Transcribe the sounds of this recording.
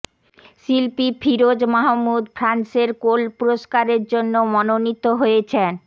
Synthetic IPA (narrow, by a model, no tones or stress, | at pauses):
silpifʰiɾod͡ʑmaɦamːud̪fʰɾanseɾkolpuɾoʃkaɾeɾd͡ʑonːomɔnonit̪ːoɦojet͡ɕʰen